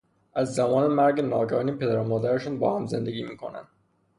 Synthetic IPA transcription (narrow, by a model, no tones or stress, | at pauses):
æzːæmɒːnemæɾɡenɒːɡɒnipʰed̪æɾomɒːd̪æɾeʃɔːnbɒ̰ːhæmzḛnd̪eɡiːmiːkʰo̰næ̰nd̪̥